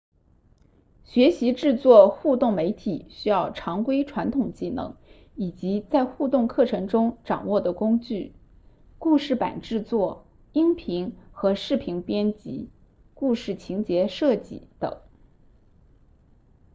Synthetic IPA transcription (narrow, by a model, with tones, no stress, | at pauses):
ɕɥɛ˧˥ɕi˧˥ʈ͡ʂɻ̩˥˧t͡swɔ˥˧xu˥˧t̪ʊ˥˩ŋme˧˥ɪt̪ʰi˨˩ɕy˥jɑ˥˩ʊʈ͡ʂʰɑ˧˥ŋkwe˥ɪʈ͡ʂʰwa˧˥nt̪ʰʊ˨˩ŋt͡ɕi˥˩nɤ̰˧˥ŋ | i˨˩t͡ɕi˧˥t͡sa˥˧ɪxu˥˧t̪ʊ˥˧ŋkʰɤ˥˩ʈ͡ʂʰɤ˧˥ŋʈ͡ʂʊ˥ŋʈ͡ʂɑ˨˩ŋwɔ˥˩d̪ə˩kʊ˥ŋt͡ɕy˥˩ | ku˥˧ʂɻ̩˥˩pa̰˨˩nʈ͡ʂɻ̩˥˧t͡swɔ˥˩ | i˥npʰi˧˥ŋxɤ˧˥ʂɻ̩˥˩pʰi˧˥ŋpjɛ˥nt͡ɕḭ˧˥ | ku˥˧ʂɻ̩˥˩t͡ɕʰi˧˥ŋt͡ɕjɛ˧˥ʂɤ˥˧t͡ɕḭ˥˩t̪ɤ̰˨˩˦ŋ